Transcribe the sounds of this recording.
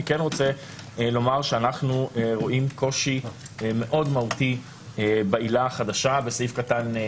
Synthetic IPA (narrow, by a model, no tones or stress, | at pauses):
ikɛnʁo̞t͡se | lo̞maʁʃeanaχnueʁo̞ʔimko̞ʃi | eme̞ʔo̞dmauti | ebailaχad̪aʃabesifkatan